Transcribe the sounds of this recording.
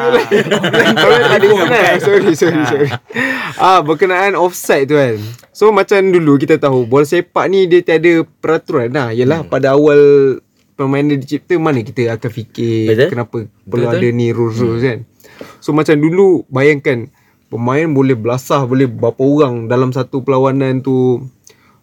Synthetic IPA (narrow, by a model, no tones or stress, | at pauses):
ulalanalaadiknasɔɾisɔɾisɔɾi | abərkənaʔːnɔfsajt̪̚t̪ːukan | somat͡ʃamduluk̬it̪ət̪aɦuboalsepa̰ʔnidiət̪iadəpəɾat̪uɾanahijəlahpadaawal | pəmainadit͡ʃip̚t̪umanək̬it̪əakanfikɪkənapəpərlaadəniɾususkan | somat͡ʃamdulubajaŋkan | pəmãɪnbolɛhbəlasahbolɛhbapaoɣaŋdalamsat̪upəlawanãnt̪u